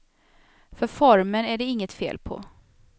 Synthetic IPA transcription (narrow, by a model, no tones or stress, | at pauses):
fœɾfɔɾmənæɖɛɪŋːət̪fḛːlpʰɔ̰